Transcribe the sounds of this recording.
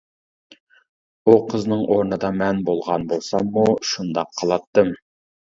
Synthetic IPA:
uqʰəznɨŋʔoɾnɨd̪ɑmɛnbolˠʁɑnbolˠsɑmːuʃund̪ɑqʰːəlˠɑt̪ːɨm

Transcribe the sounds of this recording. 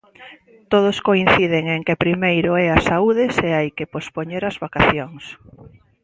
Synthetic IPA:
t̪oð̞ʊskoinθiðɪŋeŋkepɾimejɾʊɛasauðɪseajkepospoɲeɾazβakaθjoŋs

